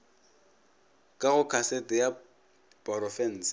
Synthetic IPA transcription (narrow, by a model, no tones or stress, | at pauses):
kʼaɣʊkʰasetʼɛja | pʼɔɾɔfɛn̩ːsɪ